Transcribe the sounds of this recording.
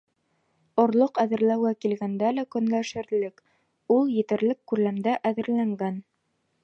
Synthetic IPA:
ŏɾlˠoqæðɘ̆ɾlæwɡækilɡænd̪ælækɵ̆nɡ̪æʃɘ̆ɾlɘk | ulˠjɘ̆t̪ɘ̆ɾlɘkːʉɾlæmd̪æʔæðɘ̆ɾlæŋɡæn

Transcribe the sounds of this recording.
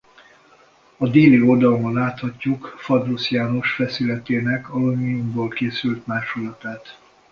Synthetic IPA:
ɒd̪eːliord̪ɒlomɒnlaːt̪hɒcːukfɒrd̪usijaːno̞ʃfɛsilɛt̪eːnɛkɒlomiumboːlkeːsylt̪maːʃulɒt̪aːt̪

